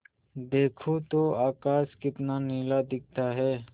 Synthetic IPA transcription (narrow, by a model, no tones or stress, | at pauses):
d̪eːkʰot̪oaːkaːskɪt̪naniːlad̪ɪk̚ʰt̪aɦɛː